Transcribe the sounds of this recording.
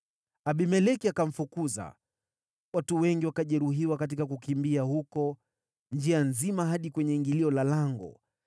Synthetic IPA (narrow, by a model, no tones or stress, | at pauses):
aɓimɛlɛkiakaɱ̩fukuza̰ | watuwɛŋɡiwakaʄɛɾuɦiwakat̬ikakukimbiahukɔ | nd͡ʒianzimaɦaɗikwɛɲɛiŋɡiliɔlalaŋɡɔ̰